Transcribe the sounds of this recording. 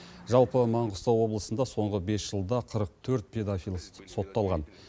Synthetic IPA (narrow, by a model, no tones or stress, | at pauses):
ʒɑlˠpəmɑɴʁʊst̪ɑwwo̞blˠəsənd̪ɑso̞ɴʁəbe̞sʒ̥əlˠd̪ɑqʰəɾəq̚t̪ʰɵɾt̪̚pʰʲe̞d̪afijlˠso̞t̪ːɑlˠʁɑn